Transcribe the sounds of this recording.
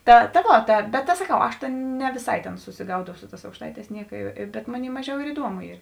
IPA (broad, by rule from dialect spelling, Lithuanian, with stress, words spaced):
ˈtɐ tɐ ˈʋoː tɐ bʲɛt sɐˈkɐʊ ˈɐʃ nʲɛ ʋʲɪˈsɐɪ tʲeːn sʊsʲɪˈɡɐʊdɐʊ ˈsʊ ˌtɑːs ɐʊkʃˈtɐɪˌtʲɛːs ˈnʲiɛkɐ bʲɛt ˈmoːˌnʲeːɪ ˈmɑːˌʒʲɛʊ ɪr ɪˈduɔmʊ ˈiːr